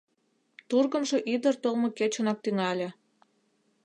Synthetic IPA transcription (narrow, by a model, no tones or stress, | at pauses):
t̪urɣə̆mʒɤ̆ʔid̪ərt̪olmŏket͡ɕonɑk̚t̪yŋɑlʲĕ